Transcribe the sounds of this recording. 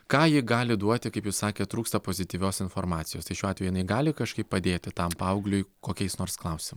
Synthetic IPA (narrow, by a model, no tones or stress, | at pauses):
kɑːjɪɡɑːlʲɪd̪uɔt̪ʲɪkɐɪpjɛʊssɑːkʲeːt̪ɾuːkst̪ɐpoːzʲɪt̪ʲiːʋʲoːsɪnfoːɾmɑːt̪sʲɪjoːst̪ɐɪʃʲuːɑːt̪ʲɛjɪnɐɪɡɑːlʲɪkɐʃkɐɪppɐd̪ʲeːt̪ʲɪt̪ɐmpɐɐʊɡlʲʊɪkoːkʲɛɪsnoːɾsklˠɐʊsʲɪmɪ